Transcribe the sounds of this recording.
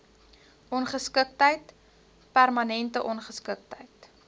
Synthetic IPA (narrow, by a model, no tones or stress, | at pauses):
ʔɔnχəskək̚təjt | pærmɐnɛntəʔɔnχəskək̚təjt